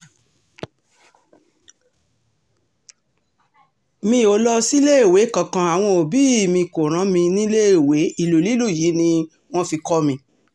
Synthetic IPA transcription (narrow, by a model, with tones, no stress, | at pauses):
mĩ˧˦˨o˨˦lɔ˧si˦le˦i˦˨we˨˦kã˨kã˨˧a˨w̃ɔ̃˧o˨bi˨˦i˦˨mĩ˧ko˨ɾ̃ã˨˦mĩ˧nĩ˦le˦i˨we˨˦i˦˨lu˨li˨˦lu˦˨ji˨˦nĩ˧ | w̃ɔ̃˦fi˧kɔ˦mĩ˧